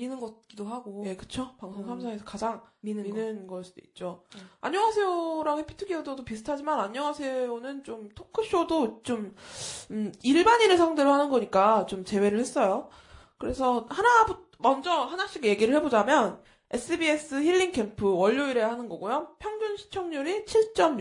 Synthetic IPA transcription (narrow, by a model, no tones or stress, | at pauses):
inɯnɡʌt̚k͈idoɦaɡoje̞kɯ̥t͡ɕʰopaŋsʰoŋsʰamsʰaŋesʰʌ̥kad͡ʑaŋinminɯnɡʌɭs͈ud̥oit̚t͡ɕ͈oaɲjʌŋasʰe̞oɾaŋɦepʰi̥tʰɯɡiododopisʰɯ̥tʰad͡ʑimanaɲːʌŋasʰe̞onɯnt͡ɕomtʰokʰɯɕ͈odot͡ɕom | iɭbaɲinɯnsʰaŋdeɾohanɯnɡʌɲik͈at͡ɕomt͡ɕe̞we̞ɾɯɭhe̞s͈ʌjo | kɯɾe̞sʰʌhanabu | mʌnd͡ʑʌhanaɕ͈iɡeje̞ɡiɾɯɭhe̞bod͡ʑamjʌn | e̞s͈ɯbies͈ɯçiʎːiŋkʰe̞mpʰɯwʌʎːoiɾe̞hanɯnɡʌɡojopʰjʌŋd͡ʑunɕʰi̥t͡ɕʰʌŋɲuɾit͡ɕʰiɭt͡ɕ͈ʌmɲ